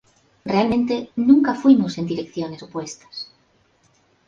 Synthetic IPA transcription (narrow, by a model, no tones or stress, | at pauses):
realmẽnt̪enũŋkafwimose̞nd̪iɾekθjonesopwest̪ḁs